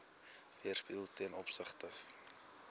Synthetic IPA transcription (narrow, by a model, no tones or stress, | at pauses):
viərspiːlˠtiənɔpsəχtə